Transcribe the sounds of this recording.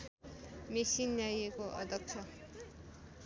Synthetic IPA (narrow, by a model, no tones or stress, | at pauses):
mesinjajekoʔʌ̰d̪ʱʌk̚t͡sʰʌ